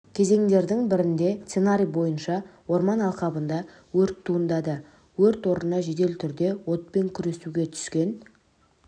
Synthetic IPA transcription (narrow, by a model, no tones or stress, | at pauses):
kʲʰe̞ze̞ŋd̪e̞ɾd̪ɪŋbɪɾɪnd̪e̞st̪senaɾʲijbo̞jənʃɑwo̞ɾmɑnɑlˠqɑbənd̪ɑ | wɵɾt̪ʰːuənd̪ɑd̪ə | wɵɾt̪wo̞ɾənɑʒe̞d̪e̞lt̪ʰʏɾd̪e̞wo̞t̪̚pe̞ŋkʲʰʏɾe̞suɡʲe̞t̪ʰʏ̥skʲe̞n